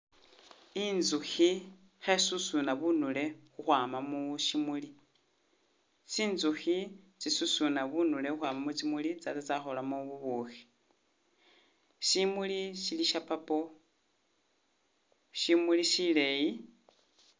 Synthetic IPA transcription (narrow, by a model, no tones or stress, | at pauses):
inzuxi | xesusunaβunule̞xuxwaːmamuʃimuli | siːnzuxit͡sisusunaβunule̞xuxwaːmamut͡simulit͡sat͡sat͡saxolamoβuβuxi̥ | ʃimuliʃiliʃapapo | ʃimuliʃileji